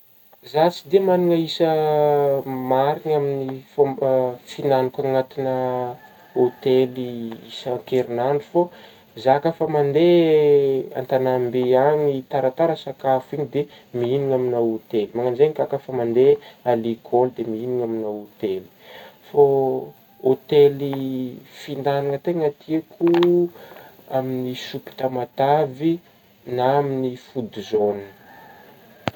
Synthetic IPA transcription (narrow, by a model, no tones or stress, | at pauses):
zat͡sid̪emanuŋəisə | maɾinaminif | finanukaŋat̪inə | ot̪eliisaŋkeɾinanufo | zakafamand̪e | a̰nt̪anambeaɲit̪aɾat̪aɾəsakafuiɲid̪e | miiniŋaminawot̪elimaŋanzeŋikakafamand̪ealikʰold̪emiiniŋaminawot̪eli̥fa | ot̪elifind̪anaŋat̪eŋat̪ʰiekʰu | aminisupi̥t̪amat̪avi | naaminifud̪uzonin